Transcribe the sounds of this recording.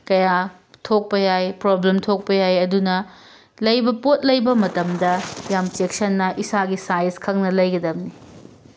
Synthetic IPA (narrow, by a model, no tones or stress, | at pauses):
kɐja | tʰok̚pɐjajpɾoblemtʰok̚pɐjajɐdunɐ | lɐjbɐpot̚lɐjbɐmɐtɐmdɐjamt͡ʃeksɐnːɐʔisaɡisajenskʰɐŋnɐlɐjɡɐdɐmni